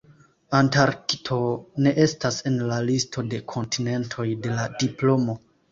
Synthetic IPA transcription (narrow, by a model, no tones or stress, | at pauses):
antaɾkitʰo̞ne̞ʔe̞stase̞nlalistʰo̞de̞kʰo̞ntine̞ntʰo̞jde̞ladiplo̞mo̞